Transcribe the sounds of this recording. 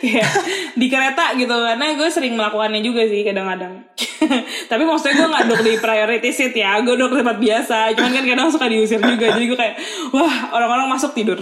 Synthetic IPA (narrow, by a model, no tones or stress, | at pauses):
kajaʔdikəɾet̪aɡit̪ukarnaɡuɛsəɾɪŋməlakukanɲad͡ʒuɡasɪhkadaŋadaŋ | t̪apimɔst̪uɡuɛŋɡaʔdʊk̚dipɾajoɾit̪ɪsɪt̪jaɡuɛdʊk̚dit̪əmpat̪̚biasat͡ʃumankankadaŋsukadiusɪrd͡ʒuɡad͡ʒadiɡuɛkajaʔ | wahoɾaŋoɾaŋmasʊk̚t̪idʊr